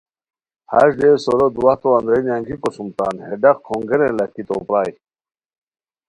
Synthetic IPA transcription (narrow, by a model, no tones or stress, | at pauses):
ha̰ɕd̪eːsoɾod̪uaht̪oɐnd̪ɾenjaŋɡikosumt̪aːnheɖɐqkʰoŋɡeɾẽlɐhkit̪oːpɾaːj